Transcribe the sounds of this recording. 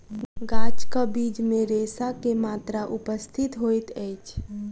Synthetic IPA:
ɡat͡ʃkəbid͡ʒmeɾesakemat̪ɾaʔupəst̪ʰit̪ɦojt̪əjt͡ʃʰ

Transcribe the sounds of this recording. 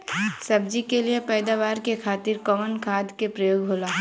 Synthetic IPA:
sɐbd͡ʒikeliepɛːd̪aːʋaːɾkekʰaːt̪iɾkɔʋənkʰaːd̪kepɾɐjoːɡɦoːlaː

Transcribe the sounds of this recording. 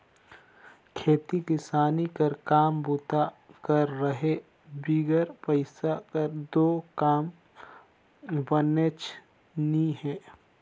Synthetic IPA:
kʰeːt̪ikɪsaːnikəɾkaːmbʊt̪akɐɾːəɦe | biːɡəɾpəɪsakəɾd̪oːkaːm | bənet͡ʃ | niɦɛ̃ː

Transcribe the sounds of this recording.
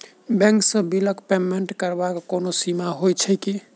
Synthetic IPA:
bɛ̃ŋksə̃biləkpemeɳʈkəɾbakːonosimaɦojt͡ʃʰɛki

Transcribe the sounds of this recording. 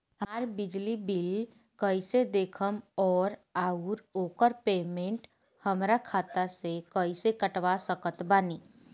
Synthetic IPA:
ɦaːɾbɪd͡ʒlibɪl | kəised̪eːkʰəmɔːɾaːuɾoːkəɾpeːmẽɳʈ | həmɾakʰaːt̪asekəisekəʈʋasəkət̪baːniː

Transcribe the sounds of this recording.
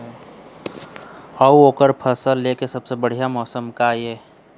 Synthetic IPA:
əuoːkəɾpʰəsəlːeːkesɐbsebəɽ̤ijamɔːsəmkajeː

